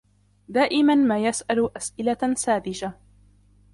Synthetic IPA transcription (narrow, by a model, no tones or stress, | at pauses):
d̪aːʔɪmanmaːjasʔalʔasʔɪlasaːd̪ɪd͡ʒa